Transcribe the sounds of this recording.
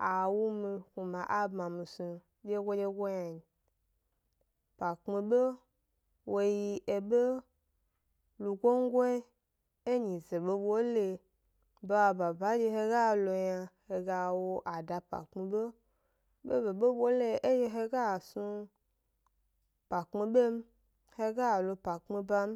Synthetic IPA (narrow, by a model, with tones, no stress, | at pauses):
a˨wu˦mĩ˧ku˨mã˨ʔa˦bmã˨mĩ˨sũ˨ | d͡ʒe˦ɡʷo˦d͡ʒe˦ɡʷo˦ɲa˨ɲi˨ | pa˨k͡pmĩ˧ɓe˦ | wo˦ji˧ʔe˨be˦ | lu˨ɡʷo˦ŋ˦ɡʷo˦ | e˦ɲĩ˨ze˨ɓe˦bwo˦le˧ | be˦wa˨ba˨ba˨˦d͡ʒe˧ɦe˧ɡa˦˨lo˧ɲa˧he˧ɡa˧wo˧ʔa˨da˨pa̰˨k͡pmi˧ɓe˦ | ɓe˦be˨ɓe˦bo˦le˦e˦je˧ɦe˧ɡa˦˨su˧ | pa˨k͡pŋ͡mi˧ɓe˦m̩˦ | he˧ɡa˦˨lo˧pa˨k͡pmi˧ba˧m˦